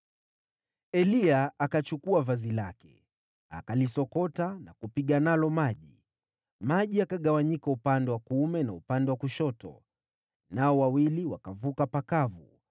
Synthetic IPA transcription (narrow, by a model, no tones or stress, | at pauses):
ɛliaʔakat͡ʃukuavazilakɛ | a̰kalisɔkɔtanakupiɠanalɔmaʄi | maʄiakaɠawaɲikaupandɛwakumɛnaupandɛwakuʃɔtɔ̰ | naɔwawiliwakavukapakavu